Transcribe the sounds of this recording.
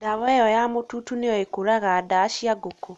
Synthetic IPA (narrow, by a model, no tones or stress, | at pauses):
daβɔɛjɔjamotutunejɔekoɾaɣadaːʃiaɡoko